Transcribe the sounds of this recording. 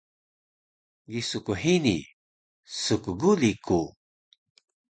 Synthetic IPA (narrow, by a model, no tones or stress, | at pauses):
ɡisukuħinḭ | sukuɡulikʰu